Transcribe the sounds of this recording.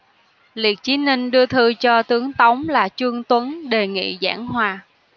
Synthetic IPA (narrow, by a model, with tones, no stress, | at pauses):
li˨˩ət̚t͡ɕi˨˦ni˧ŋ̟ɗɨ˧ət̪ʰɨ˧t͡ɕɔ˧t̪ɨ˨˦əŋt̪ə˨˦wŋ͡mlaː˨˩t͡ɕɨ˧əŋt̪wə˨˦nɗe˨˩ŋḭ˧˨za̰ː˧˩nhwaː˧˩